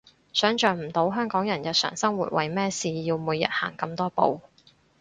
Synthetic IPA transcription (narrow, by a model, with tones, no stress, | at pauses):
sœː˨˥ŋt͡ʃœː˨ŋm̩˨˩t̪o˨˥wɦœː˥ŋkɔː˨˥ŋjɐ˨˩njɐ˨t̚sœ̰ː˨˩ŋsɐ˥ŋwṵː˨t̚wɐ˨jmɛː˥siː˧jiː˧wmuː˨˧jɐ̰˨t̚ha̰ː˨˩ŋkɐ˧mt̪ɔː˥po̰˨˧w